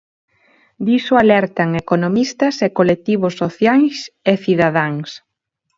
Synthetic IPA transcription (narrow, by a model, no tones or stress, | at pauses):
d̪isoalɛɾt̪aŋekonomist̪ɐsekolek̚t̪iβʊsːoθjajseθiðaðaŋs